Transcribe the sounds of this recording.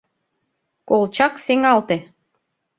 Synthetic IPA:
kolˠt͡ɕɑkseŋɑlˠt̪e

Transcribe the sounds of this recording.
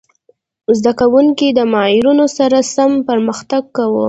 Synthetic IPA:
zd̪akawuŋkid̪əmɑjɪɾunosaɾasampəɾməxt̪aɡkːawo̰

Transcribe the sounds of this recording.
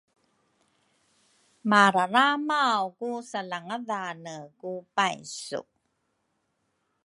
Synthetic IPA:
maɾaɾamawkusalaŋaðanəkupajsṵ

